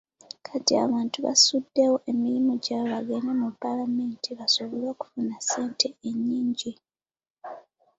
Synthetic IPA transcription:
kʰatia̰βaːntuβa̰sudːewo̞ʔe̞miɾimuɟaβaɡenemupːalame̞ːntʰiβasoβolwoku̥funase̞ːntʰe̞eɲːiːɲɟi

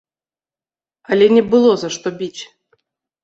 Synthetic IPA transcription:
ɐlʲɛnʲɛbɨlˠɔzɐʂt̪ɔbʲit͡sʲ

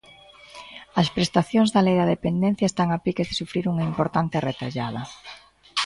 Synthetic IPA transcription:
ɐspɾest̪aθjoŋzðɐlejðɐðepend̪en̟θjaɐest̪aŋapikezðesufɾiɾuŋɐimpoɾt̪ant̪eret̪a̰ʎaðɐ

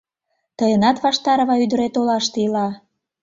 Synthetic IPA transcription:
t̪əjənɑt̪βɑʃt̪ɑɾə̆βɑyd̪əɾet̪olɑʃt̪eilɑ

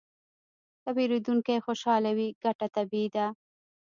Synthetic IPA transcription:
t̪abiɾed̪uŋkajexoʃɑlawiɡaʈat̪abid̪a

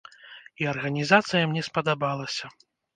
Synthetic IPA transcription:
iɐrɣɐnʲizat̪sɨjɐmnʲɛspɐd̪abalˠɐsʲɐ

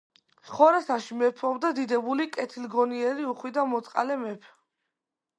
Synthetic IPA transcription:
sχɔɾasaʃimɛpʰɔbd̪ad̪id̪ɛbulikʼɛt̪ʰilɡɔniɛɾiuχwid̪amɔt̪sʼqʼa̰lɛmɛpʰ

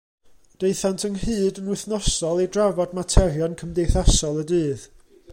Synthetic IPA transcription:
d̥ejθantʰəŋhɨːdənwɪθnɔsɔlˠidravɔdmatʰɛrjɔnkʰəmdejθasɔlˠədɨːð

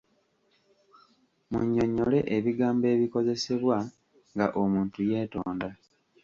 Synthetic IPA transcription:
mṵɲːo̞ɲːo̞le̞ʔeβiɡaːmbe̞ːβiko̞ze̞se̞βwa | ŋɡa̰ʔomuːntuje̞ːto̞̰ːnda

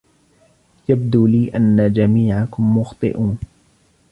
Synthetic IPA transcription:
jab̚d̪uːliːʔanːad͡ʒamiːʕakʊmːʊxt̪ˤɨ̰ʔuːn

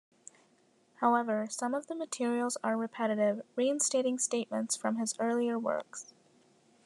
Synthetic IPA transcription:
haʊɛvə˞sʌ̃mʌvðəmɨtʰɪɹil̩ˠzə˞ɹɨpʰɛɾɨɾɪvɹiɨ̃nsteɪɾɪ̃ŋsteɪt̚mɨ̃ntsfɹʌ̃mɨzɜ˞lˠiə˞wɜ̰˞ks

